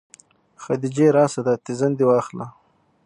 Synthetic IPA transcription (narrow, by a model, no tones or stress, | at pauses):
xad̪id͡ʒeɾɑːsad̪at̪ɪzand̪iwɑːxla